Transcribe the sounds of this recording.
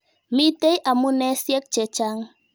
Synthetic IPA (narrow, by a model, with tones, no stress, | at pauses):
mi˦te˦jʔa˨mu˦nɛ˦sjɛ˦k̚t͡ʃɛ˨t͡ʃa˦ŋ